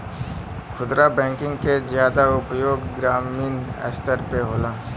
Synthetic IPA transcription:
xʊd̪ɾabɛ̃ːŋkɪ̃ŋɡkezjaːd̪aʊpjoːɡɡɾaːmiːnə̰st̪əɾpeɦoːlaː

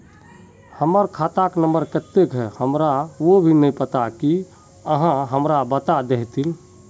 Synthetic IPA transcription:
həməɾkʰat̪aknəmbəɾkət̪ːekɦɛhəmɾaʋobʱinɛjpət̪aki | əɦãɦəmɾabət̪ad̪eɦt̪il

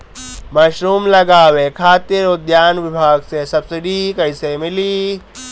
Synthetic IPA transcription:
maːʃɾuːmlɐɡaːʋekʰaːt̪ɪɾʊd̪jaːnʋɪbʱaːɡsesɐbsɪɖikɐisemɪli

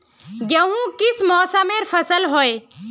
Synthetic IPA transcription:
ɡəɦũːkɪsmɔːsameːɾfʰəsəlɦoe

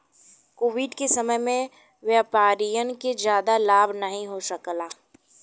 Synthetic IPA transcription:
koːʋɪɖkesɐməjmẽ | ʋjaːpaːɾijənked͡ʒjaːd̪alaːbʱnəɦĩɦosəklaː

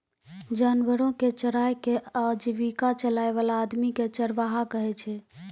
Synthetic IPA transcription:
d͡ʒanʋəɾõket͡ʃəɽajkead͡ʒiʋikat͡ʃəlajʋalaːd̪miket͡ʃəɾʋaɦakəɦɛt͡ʃʰɛ

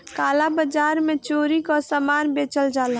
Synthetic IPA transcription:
kaːlabəd͡ʒaːɾmẽt͡ʃoːɾikɔsəmaːnbet͡ʃəld͡ʒaːla

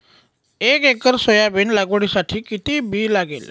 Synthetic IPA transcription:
ekekəɾsəjabiːnlaɡoɽ̃isaʈʰiːkit̪iːbʱiːlaɡḛl

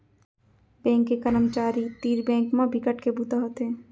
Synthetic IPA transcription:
bɛ̃ːŋkːekəɾəmt͡ʃaːɾit̪iːɾbɛ̃ːŋkmãbʱikəʈkebut̪aɦot̪ẽː

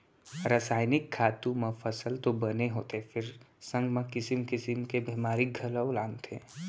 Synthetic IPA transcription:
ɾəsaːɪnɪkʰːaːt̪ũmãfʰəsəlt̪obəneɦoːt̪epʰɪɾsə̃ŋɡmẽkɪsɪmkɪsɪmkebimaːɾik̚ɡʱələwlaːnt̪ʰẽ

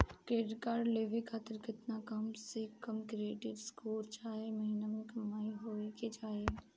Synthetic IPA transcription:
keːʈkaːɾleːʋekʰaːt̪ɪɾkɪt̪nakɐmsekɐmkɾieːʈɪʋskuːɾt͡ʃaːɦemɐɦiːnamẽkɐmaːiɦoːikid͡ʒaːɦe

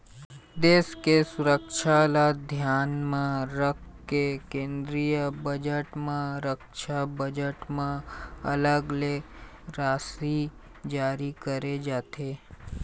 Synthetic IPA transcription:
d̪eːskesʊɾəkʃʰalad̪ʱjaːnmãɾək̚ʰkekẽːnd̪ɾijəbəd͡ʒəʈmãɾəkʃabəd͡ʒəʈmãɐləɡle | ɾaːsi | d͡ʒaːɾikəɾed͡ʒaːt̪ʰeː

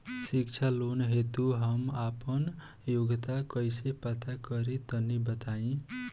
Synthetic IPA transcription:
sik̚t͡ʃʰalonɦet̪uɦʌmapʌn | joɡt̪akʌjsepʌt̪ʰakʌɾit̪ʌnibʌt̪aĩ

